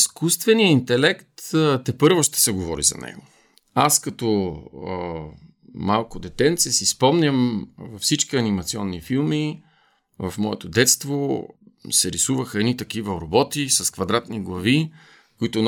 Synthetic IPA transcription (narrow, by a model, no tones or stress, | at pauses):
iskust̪vɛnijəint̪ɛlɛkt̪t̪ɛpɤɾvoʃt̪ɛ̥sɛɡovɔɾḭzɐ̰nɛ̰ɡo | askɐt̪ɔ | malˠkod̪ɛt̪ɛnt̪sɛsispɔmnʲəmvɐfsit͡ʃkiɐnimɐt̪siɔnːifilˠmi | vɐ̰fmɔɛt̪oʊd̪ɛt̪st̪vo | sɛɾisuvəxəɛnit̪ɐkivəɾobɔt̪isɐskvɐd̪ɾat̪niɡlˠɐvi | kʊit̪ʊn